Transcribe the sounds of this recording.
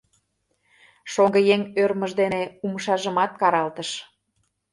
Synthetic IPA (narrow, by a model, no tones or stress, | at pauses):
ʃoŋɡəjeŋørməʒd̪eneumʃɑʒəmɑt̪̚kɑɾɑlt̪əʃ